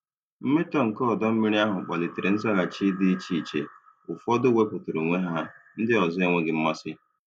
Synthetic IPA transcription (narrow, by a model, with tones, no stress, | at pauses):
m̩˦me˦tɔ˦ŋ̩˨kɔ˦˨dɔ˦m̩˦mi˦ɾi˦a˦ɦʊ˨k͡pɔ˨lɪ˨te˨ɾe˨n̩˦za˦ɣa˨t͡ʃi˦di˦i˦t͡ʃi˦˨t͡ʃḛ˨ | ʊ˨fɔ˦dʊ˦we˦pʊ˨tʊ˨ɾo˨ŋʷe˦ɦa˦˨n̩˦dɪ˦ɔ˨zɔ˦e˨ŋʷe˦ɡɪ˨m̩˦ma˦sɪ˦